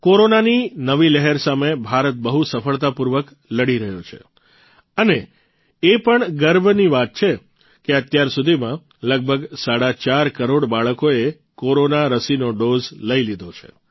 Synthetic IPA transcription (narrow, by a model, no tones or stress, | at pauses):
koɾonaninəʋilɛɦɛɾsamebʱaɾət̪̚bəɦusəfəɭt̪apuɾʋək | ləɽiɾəɦjot͡ʃʰḛ | əneː | pəɳɡəɾbniʋat̪̚t͡ʃʰe | keət̪jaɾsud̪ʱimã | ləɡ̚bʱəɡsaɽat͡ʃaɾkəɾoɽbaɭəkoe | koɾonaɾəsinoɖozləilid̪ʱot͡ʃʰḛ